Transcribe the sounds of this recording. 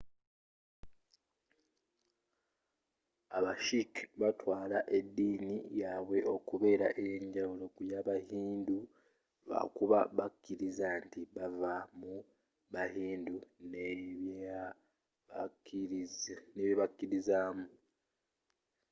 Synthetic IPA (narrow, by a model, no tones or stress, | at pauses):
aβaʃikiβatwaːlaʔe̞dːiːnijaβwe̞ʔo̞kuβe̞ːɾaʔeɲɟawulo̞kujaβahiːndu | βa̰kuβaβakːiɾizantiβavamu | βahiːndune | neβjeβakːiɾizaːmu